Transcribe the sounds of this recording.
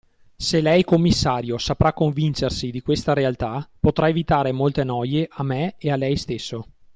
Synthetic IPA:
selɛjkomːisːaːɾjosapɾakːoɱvint͡ʃersid̪ikwest̪aɾealt̪apot̪ɾʔaevit̪aːɾemolt̪enɔjeʔamːeealɛjst̪esːo

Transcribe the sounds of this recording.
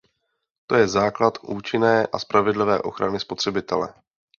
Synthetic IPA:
t̪o̞jɛzaːklat̪ʔuːt͡ʃɪnɛːʔa̰spɾavɪdlɪvɛ̰ːʔo̞̰xɾanɪspo̞t̪r̝̥ɛbɪt̪ɛlɛ̰

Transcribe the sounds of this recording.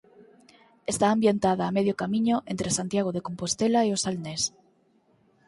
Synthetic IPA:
est̪aːmbjent̪aðaːmeð̞jokamĩɲoʔent̪ɾesant̪jaɣ̞oð̞ekompost̪elaeosalnes

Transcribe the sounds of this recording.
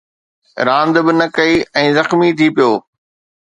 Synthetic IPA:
ɾãːnd̪bɪnɐkɐiɛ̃ːzɐxmit̪ʰiːpijoː

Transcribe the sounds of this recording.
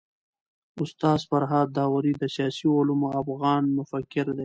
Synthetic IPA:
ʊst̪ɑːzfaɾɦɑːd̪ːɑːwaɾid̪əsjɑːsiʊlumoafɣɑːnmʊfakːɪɾd̪e

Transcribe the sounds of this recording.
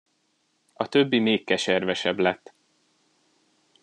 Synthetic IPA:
ɒt̪ø̞bːimeːkːɛʃɛrvɛʃɛblɛt̪ː

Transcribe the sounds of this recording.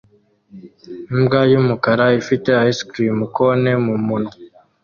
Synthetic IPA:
imbɡajumukaɾaifite̞aiskɾimukone̞mumuno

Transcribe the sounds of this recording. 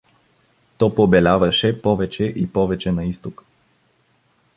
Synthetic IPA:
t̪ɔpobɛlʲavɐʃɛpɔvɛt͡ʃɛʔipɔvɛt͡ʃɛnɐist̪ok

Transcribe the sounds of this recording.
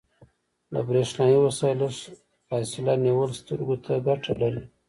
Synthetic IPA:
la̰bɾeʂnɑjiwasɑlaʃ | fɑsɪlaniwəlst̪əɾɡot̪ʰaɡaʈʰalaɾi

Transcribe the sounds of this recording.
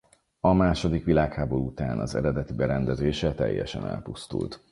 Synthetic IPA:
ɒmaːʃo̞d̪ikʋilaːkhaːbo̞ɾuut̪aːnɒzɛ̰ɾɛd̪ɛt̪ibɛɾɛnd̪ɛzeːʃɛt̪ɛ̰jːɛ̰ʃɛ̰nɛ̰lpust̪ṵlt̪

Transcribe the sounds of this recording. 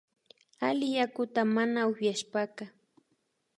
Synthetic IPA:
alɪjakʊt̪amanaʊfjaʃpaka

